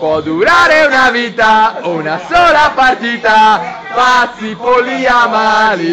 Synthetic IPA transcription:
pwɔd̪uɾaɾeunavit̪aounasɔːlapart̪it̪a | masipoliamali

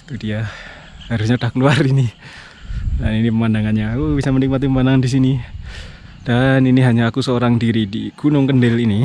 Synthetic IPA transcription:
kudia | haɾusɲadakəluarini | daninipəmandaŋanɲaːkubisamənik̚mat̪̬ipəmandaŋandis̬ini | d̥aniniɦaɲaːkusəoɾaŋdiɾidiɡ̥unʊŋkəndɪlini

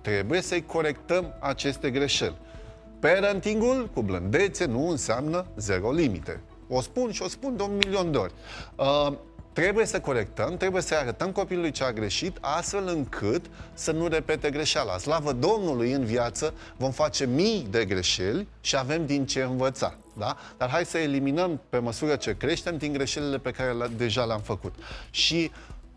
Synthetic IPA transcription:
t̪ɾe̞buje̞səjkʰo̞ɾe̞kt̪əmat͡ʃe̞st̪e̞ɡɾe̞ʃe̞̰lʲ | peɾənt̪iŋɡulkublɨnd̪e̞t̪se̞nuɨnseamnəze̞ɾo̞limḭt̪e̞̰ | o̞spunʃio̞spund̪eunmilio̞nd̪eo̞̰rʲə | t̪ɾe̞buje̞səko̞ɾe̞k̚t̪əmt̪ɾe̞buje̞səjaɾət̪əmko̞pilulujt͡ʃeaɡɾe̞ʃit̪ʰast̪fe̞lɨŋkʰɨt̪sənuɾe̞pe̞t̪e̞ɡɾe̞ʃala̰slavəd̪o̞mnulujɨnvjat̪sə | vo̞mfat͡ʃe̞mijd̪e̞ɡɾe̞ʃe̞lʲʃiave̞md̪int͡ʃe̞ɨnvət̪sa̰ | d̪a | d̪̥arɦajsəeliminəmpe̞məsuɾət͡ʃe̞kɾe̞ʃt̪e̞md̪iŋɡɾe̞ʃe̞lile̞pe̞kaɾe̞d̪e̞ʒaleamfəkut̪ʃi

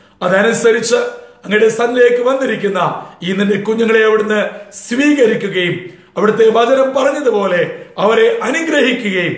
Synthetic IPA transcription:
ɐðɐnusɐɾit͡ɕːɨɐŋːɐniɽe̞sɐnlɐjekːɨʋɐnːiɾikʲːunːɐiːninːe̞kuɲːɐŋːɐɭeɐʋiɽenːɨsʋiːɣɐɾikʲːuɣɐjum | ɐʋiɽɐt̪ːe̞ʋɐd͡ʑɐnɐmpɐrɐɲːɐðupo̞ːle̞ɐʋɐɾe̞ʔɐnuɡɾɐhikʲːuɣɐjum

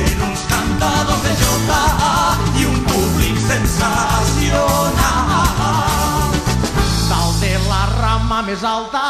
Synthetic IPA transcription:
enũskɐ̃nt̪ɐðoðeʒewt̪aaiũpuβlikusẽnsasiona | t̪alˠt̪elɐramɐmezalˠt̪ɐ

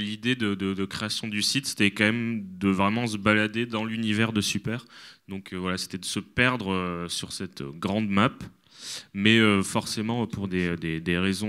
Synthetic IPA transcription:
lid̪ed̪əd̪əd̪əkχeasjɔ̃d̪ysit̪se̥t̪ɛkɑ̃mɛmd̪əvʁɛmɑ̃s̬əbalad̪ed̪ɑ̃lynivɛʁd̪əsypɛːʁd̪ɔ̃kʰøvwalase̥t̪ɛd̪əsəpɛʁd̪ʁəsyʁsɛt̪ø̰ɡʁɑ̃d̪map | mɛøfɔʁsemɑ̃puʁd̪ed̪ed̪eʁezɔ̃

